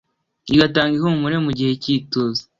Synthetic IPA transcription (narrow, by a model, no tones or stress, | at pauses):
iɡataːŋɡihumuɾe̞muɟihe̞ciːtoze̥